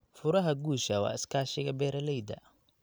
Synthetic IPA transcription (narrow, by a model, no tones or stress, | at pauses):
fʊɾɐɦɐɡuːʃɐwɑ̰ːɪskʰaːʃɪɣɐbɛːɾɐlɛjd̪ɐ̰